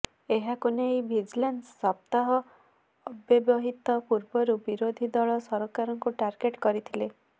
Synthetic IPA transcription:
eɦakunejbʱid͡ʒlensːɔp̚t̪aɦɔː | bjɔbjɔɦit̪ɔpuɾbɔɾubiɾod̪ʱid̪ɔɭɔsɔɾɔkaɾɔŋkuʈaɾɡeʈkɔɾit̪ʰile

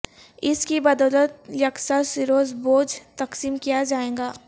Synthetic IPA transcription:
ɪskibɐd̪ɔːlət̪̚jɐksasɪɾoːzboːd͡ʒt̪ɐksiːmkijad͡ʒaːẽːɡaː

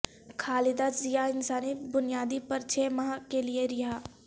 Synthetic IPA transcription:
kʰaːlɪd̪azijaɪnsaːnibʊnijaːd̪ipɐɾt͡ʃʰemɐɦakelieɾɪɦaː

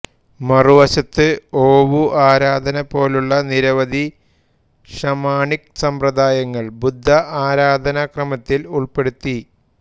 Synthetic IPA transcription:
mɐruʋɐɕɐt̪ːɨoːʋuʔaːɾaːd̪ʱɐnɐpo̞ːluɭːɐniɾɐʋɐd̪ʱi | ʂɐmaːɳiksɐmprɐd̪aːjɐŋːɐɭbud̪ʱːɐʔaːɾaːd̪ʱɐnɐkrɐmɐt̪ːiluɭpe̞ɽut̪ːi

